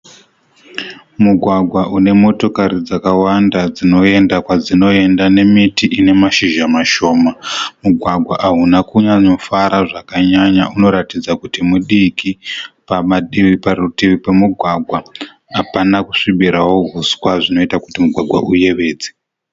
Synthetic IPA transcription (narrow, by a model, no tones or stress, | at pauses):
muɡʱwaɡʱwaʔune̞mo̞to̞kaɾid͡zakawandad͡zino̞e̞ndakwad͡zino̞e̞ndane̞mitiʔine̞maʃiʒamaʃo̞ːmamuɡʱwaɡʱwaʔaɦunakuɲaɲofaɾaʐakaɲaɲa̰ʔuno̞ɾatid͡zakutimuɗikipamaɗiʋiparutiʋipe̞muɡʱwaɡʱwa | ɦapanaku̥ʂiɓiɾawo̞ɦuswaʐino̞itaku̥timuɡʱwaɡwaʔuje̞ʋe̞ːd͡ze̥